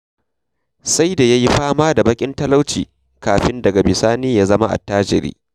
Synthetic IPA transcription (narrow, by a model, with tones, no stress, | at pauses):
sa˦jda˨ja˦ji˦ɸaː˦maː˦da˨bɐ˦kʲʼɪ˦ntɐ˦la˦wt͡ʃḭː˨ | kaː˨ɸɪ˦ndɐ˨ɡa˨bɪ˨saː˦niː˦ja˦zɐ˦ma˦ʔa̰˨tːaː˦d͡ʒɪ̰˨ɾḭː˦